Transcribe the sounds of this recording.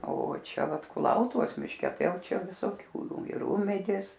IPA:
oː ˈt͡ʃʲɛ ˈʋɐt kʊˈlˠɐʊtʊʋoːs mʲɪʃʲˈkʲɛ ˈtɐɪ ˈjɛʊˈt͡ʃʲɛ ʋʲɪsoːˈkʲuː ɪr ˈuːmʲɛdʲeːs

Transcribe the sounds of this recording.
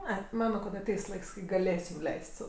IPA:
ˈɐɪ ˈmɑːnoː kɐt ɐˈtʲɛɪs ˈlˠɐɪks kɐɪ ɡɐˈlʲeːsʲɪm ˈlʲɛɪsʲtʲ sɐʊ

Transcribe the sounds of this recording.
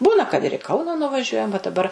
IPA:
ˈbuːnɐ kɐt ɪr ɪ ˈkɐʊnɐ nʊʋɐˈʒʲuɔjɛm ʋɐ dɐˈbɐr

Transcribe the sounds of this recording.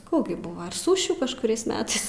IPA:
ˈkuː ɡʲɪ ˈbʊʋoː ɪr ˈsʊʃʲuː kɐʃkʊˈrʲɛɪs ˈmʲæːtɐɪs

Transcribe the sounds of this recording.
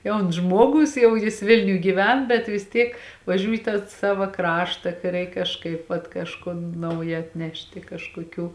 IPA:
ˈjɛʊns ˈʒmuɔˌɡʊs ˈjɛʊ jɪs ˈʋʲɪlʲnʲʊj ɡʲiːˈʋʲɛn bʲɛt ʋʲɪs ˈtʲiɛk ʋɐˈʒʲuːj iː tɑː ˈsɑːʋɐ ˈkrɑːʃtɐ kɐɪ ˈrʲɛɪk kɐʃˈkɐɪp ʋɐt kɐʃˈkoːn ˈnɐʊjɛ ɐtʲˈnʲæːʃʲtʲɪ kɐʃkoːˈkʲuː

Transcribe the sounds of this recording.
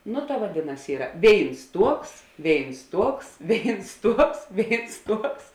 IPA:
ˈnʊ tɐ ʋɐˈdʲeːˌnɐs ˈiːrɐ ˈʋʲeːɪns ˈtuɔks ˈʋʲeːɪns ˈtuɔks ˈʋʲeːɪns ˈtuɔks ˈʋʲeːɪns ˈtuɔks

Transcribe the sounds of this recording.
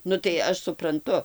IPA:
ˈnʊ tɐɪ ˈɐʃ sʊprɐnˈtʊ

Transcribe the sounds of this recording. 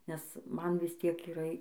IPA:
nʲɛs ˈmɐn ˈʋʲɪs ˈtʲiɛk iːˈrɐ

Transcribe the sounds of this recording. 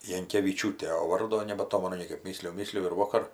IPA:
jɛŋʲkʲɛʋʲɪˈt͡ʃʲuːtʲeː oː ˈʋɐrdoː nʲɛbɐˈtoːmʲɛnʊ ˈnʲiɛkɐɪp ˈmʲiːsʲlʲɪjʊ ˈmʲiːsʲlʲɪjʊ ɪr ˈʋoːkɐr

